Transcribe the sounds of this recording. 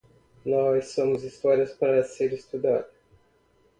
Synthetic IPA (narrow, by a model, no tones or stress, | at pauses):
nɔsːõmʊzist̪ɔɾiɐspaɾɐseɾist̪ud̪ad̪ʊ